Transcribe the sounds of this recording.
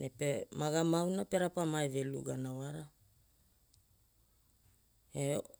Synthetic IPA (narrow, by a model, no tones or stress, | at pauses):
nepemaɡamawnape̞ɾapamaeve̞lṵɡanawaɾa | e